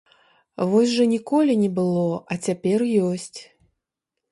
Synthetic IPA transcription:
vɔsʲʐɐnʲikɔlʲinʲɛbɨlˠɔɐt͡sʲapʲɛrjɔsʲt͡sʲ

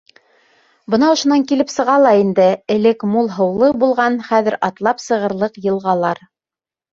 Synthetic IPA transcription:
bɤ̆nɑŏʃŏnɑŋkilɘpsɤ̆ʁɑlˠɑind̪ɘɘ̆lɘkmulˠɦɤ̆wlˠɤbulˠʁɑnχæðɘ̆ɾɑt̪lˠɑpsɤ̆ʁɤ̆ɾlˠɤqjɤ̆lˠʁɑlˠɑɾ

